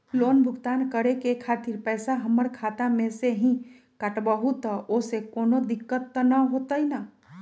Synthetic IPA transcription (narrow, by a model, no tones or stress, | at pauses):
loːnbʱʊɡt̪aːnkəɾekekʰaːt̪ɪɾpɛːsaɦɐməɽkʰaːt̪amẽseɦĩ | kəʈbəɦut̪osekoːnod̪ɪkːət̪ːənəɦoːt̪aɦina